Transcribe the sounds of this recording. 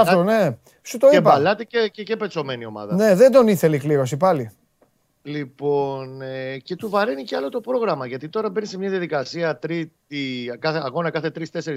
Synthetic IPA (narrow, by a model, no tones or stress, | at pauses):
ɐfone̞ | sut̪oepɐɐlɐt̪eecece̞pet͡so̞me̞nio̞mɐ̰ðɐne̞ðend̪o̞niθe̞likliɾo̞s̬ipɐli | lipo̞nce̞t̪uvɐɾeniceɐlo̞t̪o̞pɾo̞ɣɾɐmɐʝɐt̪it̪o̞ɾɐbenise̞mɲɐðijɐðikɐsiɐt̪ɾit̪ikɐθeɐɣo̞nɐkɐθe̞t̪ɾist̪e̞seɾi